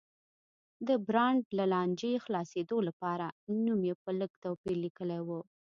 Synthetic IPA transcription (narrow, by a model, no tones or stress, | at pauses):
d̪əbɾɑɳɖlalɑnd͡ʒexlɑsed̪olapɑɾanumjepələɡt̪awpiɾlikəlajwu